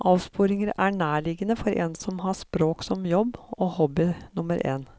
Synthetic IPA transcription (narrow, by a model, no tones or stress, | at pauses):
ʔɑːʋspuːɾɪŋəɾæɳæːɭɪɡənəfɔɾʔɛ̰nsɔmhɑspɾoːksɔmjɔbːohɔbɪnʊməɾʔḛːn